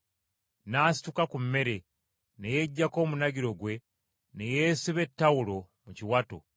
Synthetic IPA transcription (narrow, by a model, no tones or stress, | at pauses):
naːsi̥tukakumːe̞ɾe̞ | ne̞jeɟːako̞ːmunaɡiɾo̞ɡwe̞ | ne̞jeːsiβe̞tːawulo̞ | muciwato̰